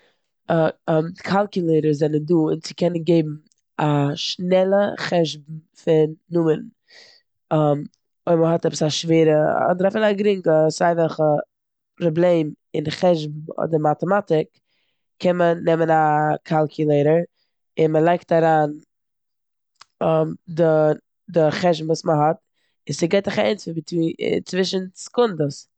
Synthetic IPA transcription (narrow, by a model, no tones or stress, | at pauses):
mkʰalˠkjʊlˠeɪɾəɾzɛnənduːɪnt͡sɪ̥kʰɛnənɡeɪbm̩ | aʃnɛlˠəχɛʒbm̩fɪnːʊmən | ɔm | ɔməɦɔtɛpə̥saʃveːɾəa̰dɾɛfənaɡɾɪŋkəsaɪvɛlˠχə | pɾɔblˠeɪm | ɪnχɛʒbm̩ɔ̰dɪmatəmatɪkʰː | ɛnmənɛmənakʰalˠkʰjʊlˠeɪɾəɾ | ɪnməlˠaɪktaɾaːn | ɔmdɪ | dɪχɛʒbm̩vuːsməɦɔt̚ | ɪzɪɡeɪtɪχaɛɪnsɪvit͡sḭt͡svɪʃən̩skʊndəs